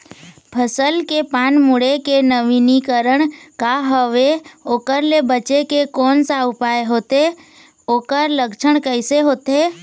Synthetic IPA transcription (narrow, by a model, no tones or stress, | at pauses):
pʰəsəlkepaːnmʊɽekenəʋinikəɾəɽ̃kaɦəʋeoːkəɾlebət͡ʃekekɔːnsaʊpaːeɦoːt̪e | oːkəɾləkt͡ʃʰəɽ̃kəɪseɦoːt̪e